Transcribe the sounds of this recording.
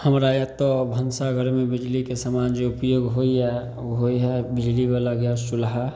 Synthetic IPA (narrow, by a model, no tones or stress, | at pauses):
həmɾajət̪əbʱənsaɡʱəɾmẽbɪd͡ʒlikesəmand͡ʒeʊpjoːɡɦoiɦɛ | ɦoiɦɛbɪd͡ʒlibalaɡjast͡ʃulɦa